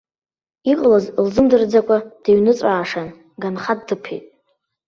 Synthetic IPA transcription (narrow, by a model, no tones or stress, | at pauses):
iqʼlazlzɨmdɨrd͡zakʷʼad̥iɥnɨt͡sʼaːʂan | ɡanχadːɨpʰejtʼ